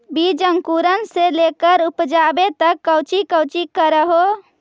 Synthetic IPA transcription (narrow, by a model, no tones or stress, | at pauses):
bid͡ʒəŋkuɾənselekəɾupd͡ʒabet̪əkːəwt͡ʃikət͡ʃikəɾəɦo